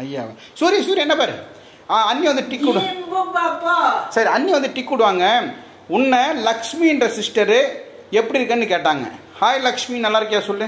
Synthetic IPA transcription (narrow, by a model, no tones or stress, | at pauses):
ɐja̰ːʋa̰ | suːɾijɐsuːɾiɛnːɐpaːɾɯ | aːɐnːɪʋɐnd̪ɯʈɪkːʊɽ | sɐɾiɐnːjʋɐnd̪ɯʈɪkːʊɽɯʋaːŋɡɐ | ʊnːɐlɐkʂmiɪndɾɐsɪsʈɐɾɯ | ɛpːɐɽiɾɯkːɐnːɯkeːʈːaːŋɡɐ̰ | haːjlɐkʂminɐlːaːɾɯkːjaːsɔlːɯ̃